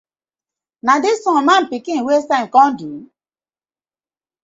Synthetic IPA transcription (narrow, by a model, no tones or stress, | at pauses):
nadɪsɔŋmam̩pikɪŋ̩wesaŋ̩kɔn̩du